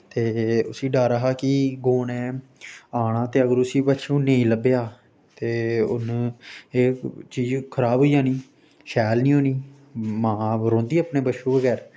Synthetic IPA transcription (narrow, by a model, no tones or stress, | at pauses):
t̪eːʊsĩːɖaːɾəɦaːkɪɡoːnɛ̃ː | aːɽãːt̪eːəɡəɾʊsiːbətːʃũːnẽĩːləbjaː | t̪eːʊ̰nːeːt͡ʃiːd͡ʒkʰəɾaːbɦoːiːjãːniː | ʃɛːlnĩːõːniː | mãːɾõːnd̪iːəːpneːbəʃũːbəɡɛːɾ